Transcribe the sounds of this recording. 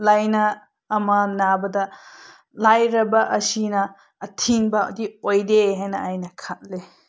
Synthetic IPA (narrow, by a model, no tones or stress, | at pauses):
lajnɐː | manabɐdɐ | lajɾɐbɐʔɐsinɐː | tʰinbɐo̰diojdeɦajnɐajnɐkʰat̚le